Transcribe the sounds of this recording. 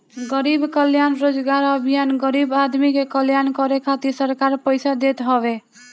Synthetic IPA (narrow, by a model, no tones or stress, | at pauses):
ɡəɾibkəljanɾod͡ʒɡaɾəbʱijanɡəɾibad̪mikekəljankɔɾekʰat̪isəɾkaɾpəjsad̪et̪ɦɔbe